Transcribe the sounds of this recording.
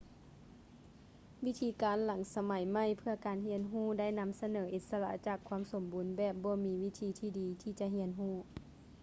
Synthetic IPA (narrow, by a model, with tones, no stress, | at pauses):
ʋi˦˥t̪ʰiː˧˦kaː˨˦nla˨˦ŋsa˧ma˨˩˦jma˥˩jpʰɯ˧ɐkaː˨˦nɦi˧˥ənɦuː˥˩da˥˨jna˧˥msa˧nɤː˩˦ʔi˨˧˩t̪̚sa˧la̰˧ʔt͡ɕaː˨˩kʰːwu˧˥mso˨˩˦mbuː˨˩˦nbɛː˨˩p̚bɔː˧˦miː˧˦ʋi˦˥t̪ʰiː˧t̪ʰiː˧˩diː˨˦t̪ʰiː˧t͡ɕa˧ʔɦi˧˥ənɦuː˥˩